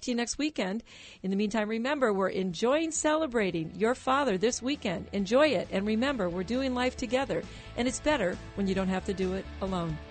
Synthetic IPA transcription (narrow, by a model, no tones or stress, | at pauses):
t͡ʃɨnɛkst̚wikɛ̃nd | ɨ̃nðɨmĩntʰãɪ̃mɹimɛ̃mbə˞wɪɹʔɨ̃nd͡ʒɔɪɪ̃ŋsɛlˠəbɹeɪɾɪ̃ŋjə˞fɑðə˞ðɪswikɛ̃ndɨ̃nd͡ʒɔɪɪɾɨ̃nɹimɛ̃mbə˞wɪɹdʉɪ̃ŋlaɪftʰɨɡɛðə˞ | ʔɨ̃nɨtsb̥ɛɾə˞wə̃njɨɾõʊ̃nt̚ɦæftɨdɨɪɾəlõʊ̃n